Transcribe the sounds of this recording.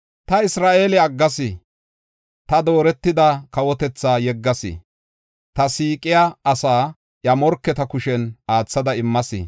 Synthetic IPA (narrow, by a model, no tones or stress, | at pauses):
t̪ɐɪsɾaːʔeːlɪɐɡːɐsɪ | t̪ɐd̪oːɾɛt̪ːɪd̪ɐkɐwɔt̪ɛt͡sːaːjɛɡːɐsɪ̰ | t̪ɐsiːkʼɪjaɐsaː | ʔjɐmɔɾkːɛt̪ɐkʊʃɛnʔaːt͡sːɐd̪ɐɪmːɐsɪ̰